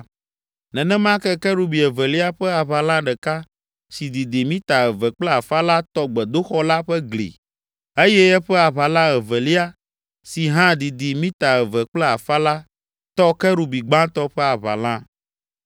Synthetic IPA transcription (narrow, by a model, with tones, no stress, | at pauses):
nɛ̃˨nɛ̃˦m˦ã˦kɛ˦kɛ˦ɾu˨bi˨ɛ˨vɛ˨li˦a˦ɸɛ˦a˨βa˨lã˦ɖɛ˨ka˦ | si˨d̪i˨d̪i˨mĩ˦t̪a˨ɛ˨vɛ˨k͡plɛ˦a˨fa˦la˦t̪ɔ˦ɡ͡bɛ˨d̪o˦xɔ˦la˦ɸɛ˦ɡlḭ˨ | e˦jɛ˦ɛ˦ɸɛ˦a˨βa˨lã˦ɛ˨vɛ˨li˦a˦ | si˨ɦã˦d̪i˨d̪i˨mĩ˦t̪a˨ɛ˨vɛ˨k͡plɛ˦a˨fa˦la˦ | t̪ɔ˦kɛ˦ɾu˨bi˨ɡ͡bã˦t̪ɔ˦ɸɛ˦a˨βa̰˨lã˦